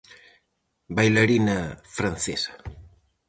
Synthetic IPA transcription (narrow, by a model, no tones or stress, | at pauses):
bajlaɾinɐfɾanθesɐ̥